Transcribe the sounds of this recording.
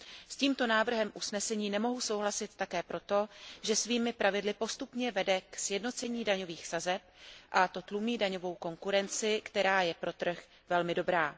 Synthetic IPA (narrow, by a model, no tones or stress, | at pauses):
sciːmt̪o̞naːvr̩ɦɛmʔusnɛsɛɲiːnɛmo̞ɦuso̞wɦlasɪt̪ːakɛːpɾʔo̞t̪o̞ʒɛsviːmɪpɾʔavɪdlɪpo̞st̪upɲɛvɛdɛksjɛdno̞t͡sɛɲiːdaɲo̞viːxsazɛp̚ʔat̪o̞t̪lumiːdaɲo̞vo̞wko̞ŋkuɾɛnt͡sɪkt̪ɛɾaːjɛpɾo̞t̪r̩x | vɛlmɪdo̞bɾaː